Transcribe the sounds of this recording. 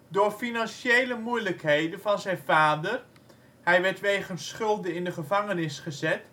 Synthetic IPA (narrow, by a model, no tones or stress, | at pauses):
dʊːɹfinɑnʃejləmujləkhejdənvɑnzɛjnvaːdər | hɛjʋɛɹtʋejχənsχɵlˠdəɪndəχəvɑŋənɪsχəzɛt